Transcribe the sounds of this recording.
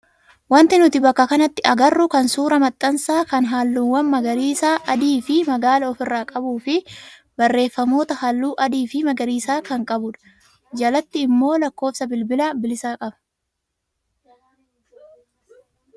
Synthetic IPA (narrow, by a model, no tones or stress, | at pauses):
wɐnt̪ɪnʊt̪ɪbɐkːɐkɐnɐt̪ːɪɐɡɐrːʊkɐnsuːɾɐmɐt̪ʼːɐnsaːkɐnɦaːlːuːnwɐnmɐɡɐɾiːsaːʔɐd̪iːfɪmɐɡaːlɐɔfɪrːaːkʼɐbuːfɪ | bɐrːe̞ːfːɐmo̞ːt̪ɐhɐlːuːʔɐd̪iːfɪmɐɡɐɾiːsaːkɐŋkʼɐbʊᶑɐ̥ | d͡ʒɐlɐt̪ːɪːmːo̞ːlɐkːo̞ːfsɐbɪlbɪlɐbɪlɪsaːkʼɐbɐ̥